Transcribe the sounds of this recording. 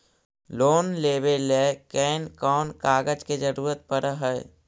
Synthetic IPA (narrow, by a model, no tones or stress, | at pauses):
loːnleːbeleːkɛːnkɔːnkaːɡəd͡ʒked͡ʒəɾuːɾət̪̚pəɾəɦəː